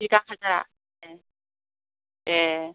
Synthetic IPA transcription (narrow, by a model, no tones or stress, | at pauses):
iɡakʰad͡ʑa | je | je